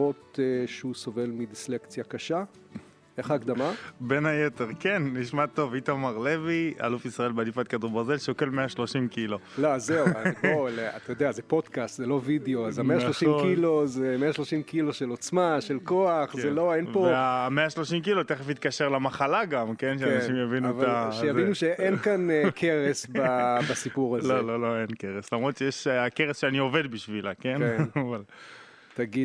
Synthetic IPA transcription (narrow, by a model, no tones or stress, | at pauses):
ot̪eʃeusove̞lmid̪islekt͡sjakaʃa | eχaːkd̪amabe̞nhajeteʁkenːiʃmat̪o̞vit̪amaʁle̞via̰lufisʁaelbeadifat̪̚kad̪ubaʁze̞lʃeoke̞lmeaʃlo̞ʃimkilolozeuaolea̰t̪ajod̪eazepo̞dkast̪zelo̞videoazameaʃloʃimkilozemeaʃlo̞ʃimkilo̞ʃe̞lot͡smaʃe̞lko̞aχzzelo̞enpoeameaʃlo̞ʃimk̬ilot̪eχefit̪kaʃeʁlamaχalaɡamkenʃeanaʃimjavinuvaaʃejainuʃeʔenkankʰeʁesbabasipuʁazlololo̞enkeʁeslamʁot̪ʃejeʃakeʁesʃeanio̞ve̞d̪̚biʃvilake̞neaval | t̪aɡid